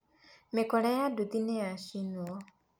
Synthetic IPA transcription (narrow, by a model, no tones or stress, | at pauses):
mikɔlajadud̪inejaʃinuwɔ